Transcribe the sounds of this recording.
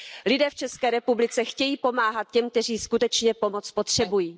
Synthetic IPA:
lɪdɛːft͡ʃɛskɛːɾɛpublɪt͡sɛxcɛjiːpo̞maːɦat̪̚cɛmk̚t̪ɛr̝iːskut̪ɛt͡ʃɲɛpo̞mot͡spot̪r̝̥ɛbujiː

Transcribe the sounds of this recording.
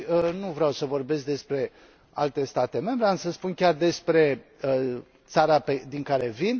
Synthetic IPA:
ənuvɾeawsəvo̞rbe̞s̬k̚d̪e̞spɾe̞ | a̰lt̪e̞st̪at̪e̞me̞mbɾeamsəspunkʲard̪e̞spɾe̞ə | t̪saɾaped̪iŋkaɾe̞vin

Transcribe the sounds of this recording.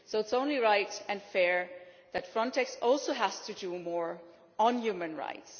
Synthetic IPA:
soʊɨtsõʊ̃nliɹaɪtɨ̃nfɛɹ | ðɨtfɹɔ̃ntʰɛksɔlˠsoʊɦæstʰɨdumɔɹ | ə̃njʉmɨ̃nɹa̰ɪts

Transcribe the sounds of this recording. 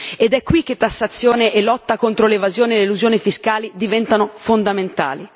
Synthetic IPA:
ed̪ɛkːwik̟ːet̪ːasːat̪sːjoːneʔelɔt̪ːakont̪ɾolevazjoːnieleluzjoːnifiskaːlid̪ivɛnt̪anofond̪ament̪a̰ːli

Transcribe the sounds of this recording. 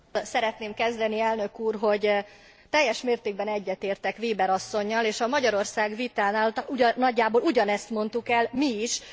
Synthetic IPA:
sɛɾɛt̪neːmkɛzd̪ɛniɛlnø̞kuːrɦo̞ɟ | t̪ɛjːɛʃmeːrt̪eːɡ̚bɛnɛɟːɛt̪eːrt̪ɛkʋeːbɛɾɒsːo̞ɲːɒleːʃɒmɒɟɒɾo̞rsaːɡvit̪aːnaːlt̪uːɒɟːaːboːluɟɒnɛst̪mo̞nt̪ukɛlmiiʃ

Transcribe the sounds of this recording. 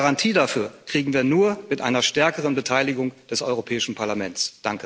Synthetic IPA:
ʁantʰiːdafyːɐkʁ̥iːɡŋ̩viːɐnuːɐmɪtʔa̰ɪnɐʃtɛɐkəʁ̞ənbətʰaɪlɪɡʊŋd̥ɛsɔʏʁopʰɛːɪʃn̩pʰaɐlamɛnt͡sd̥aŋkə

